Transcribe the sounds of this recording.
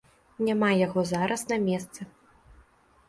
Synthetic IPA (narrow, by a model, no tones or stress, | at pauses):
nʲamajaɣɔzaɾɐsnɐmʲɛst̪sɨ